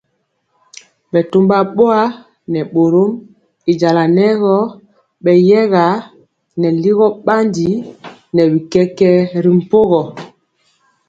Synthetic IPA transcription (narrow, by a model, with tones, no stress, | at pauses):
ɓɛ˨tu˦mba˦˨ɓo˦a˦ | nɛ˨ɓo˨ɾo˦m | i˨d͡ʒa˨la˨nɛ˦ɣɔ˦ | ɓɛ˨jɛ˦ɣa˨˦ | nɛ˨li˦ɣɔ˦ɓa˦ndi˦nɛ˨bi˨kɛ˦kɛ˦ɾi˨m̩˨po˦ɣɔ˨